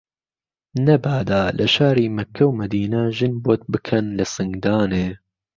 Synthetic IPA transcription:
nɐbaːd̪aːlʔɐʃaːɾiːmɐkʰːɐwmɐd̪iːnɐʒɨnboːt̪̚bɨkʰɐnlɐsɨŋɡd̪ɑːneː

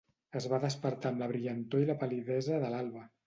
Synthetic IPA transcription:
əzβaðəspəɾt̪aəmləβɾiʎənt̪oiləpəliðɛzəðəlalˠβə

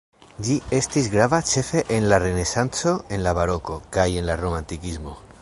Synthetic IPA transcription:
d͡ʒie̞stisɡɾavat͡ʃe̞fe̞ʔenlaɾe̞ne̞sant͡so̞e̞nlaβaɾo̞ko̞kaje̞nlaɾo̞mantikizmo̞

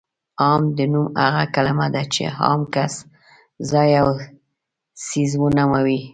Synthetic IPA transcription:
ɑmd̪ənumaɣakalamad̪at͡ʃḛhɑ̰mkas | zɑjaw | sizwənamawi

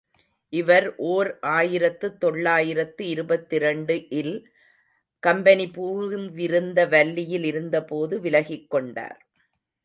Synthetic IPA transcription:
ʔɪʋɐɾʔoːɾʔaːjɪɾɐt̪ːɯt̪ːɔɭːaːjɪɾɐt̪ːɯɪɾɯbɐt̪ːɪɾɐɳɖɯʔɪl | kɐmbɐnipuːmʋɪɾɯnd̪ɐʋɐlːɪjɪlɪɾɯnd̪ɐpoːðɯʋɪlɐɣɪkːɔɳɖa̰ːɾ

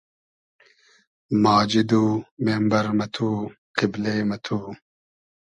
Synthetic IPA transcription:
maːd͡ʑid̪uːmeːmbɐɾmɐt̪ʰuː | qibleːmɐt̪ʰuː

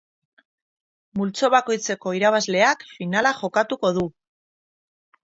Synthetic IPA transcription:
mult͡so̞βako̞jt͡se̞ko̞iɾaβ̞azle̞akfinalaxo̞kat̪uko̞ðu

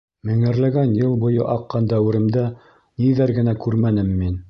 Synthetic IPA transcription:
mɘ̆ŋɘ̆ɾlæɡænjɤlˠbŭjɤ̰ʔɑqːɑnd̪æwɘ̆ɾɘ̆md̪æ | niðæɾɡɘ̆nækʉɾmænɘmːin

